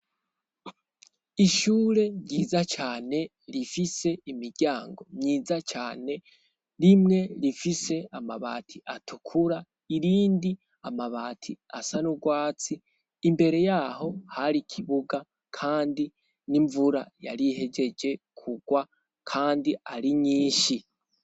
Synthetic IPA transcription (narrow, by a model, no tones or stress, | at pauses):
iʃuːɾe̞mɟiːzat͡ʃaːne̞ | ɾifise̞imiɾɟaːŋɡo̞mɲiːzat͡ʃaːne̞ | ɾimŋe̞ɾifise̞amaβa̰ːtʰiʔatʰukʰuɾa | iɾiːndi | amaβaːtʰiasanuɡwaːt͡siː | mbe̞ɾe̞jaho̞haɾikʰiβuɡa | kʰaːndi | niɱvuɾa̰ja̰ɾiɦe̞ɟe̞d͡ʒe̞ | kʰuɡ̥wa | kʰaːndiaɾiɲiːʃi